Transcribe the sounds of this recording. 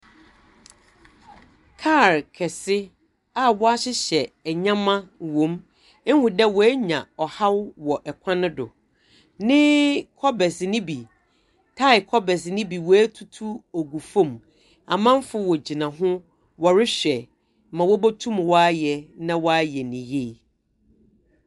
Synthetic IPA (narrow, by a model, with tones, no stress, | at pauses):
kʰa˦˨ɾkʰɛ˨sɪ˦ | a˦wɔ˦a˦ɕɪ˦ɕɛ˨ɲã˦mã˦wõ˨˦m˦ | ŋ˦hʊ̃˨dɛ˦wɔ˨ɛ˦ɲã˨ɔ˨ha˦wwɔ˨ʔɛ˨kʷʰã˦nʊ̃˦dʊ̰˨ | nɪ̃˦kʰɔ˦bɛ˨snɪ̃˦bi˨ | tʰa˦ɪ˨kʰɔ˦bɛ˨s̬nɪ̃˦bi˨wɔ˨˦æ˦tʰu˦tʰu˦o˨ɡu˨fõ˦m | a̰˨mã˦m˦fʊ˦wɔ˨d͡ʑi˨nã˨ɦʊ̃˦ | wɔ˨ɾɪ˦ɕᶣɛ˨ | mã˨wɔ˦bɔ˦tʰũ˦mwɔ˦a˦jɛ˨nã˦wɔ˦a˦jɛ˨nĩ˨je˦˨